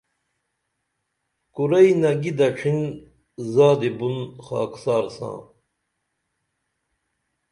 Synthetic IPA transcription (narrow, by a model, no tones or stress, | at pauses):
kuɾɐjnɐɡid̪ɐʈ͡ʂʰin | zaːd̪ibunxa̰ːksaːɾsã̰ː